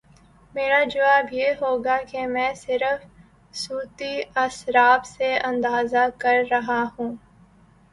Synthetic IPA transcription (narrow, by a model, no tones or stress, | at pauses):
meːɾad͡ʒɐʋaːbjeɦoːɡakemɛ̃ːsɪɾəf | suːt̪iɐsɾaːbseɐ̃nd̪aːzakɐɾːɐɦaɦũː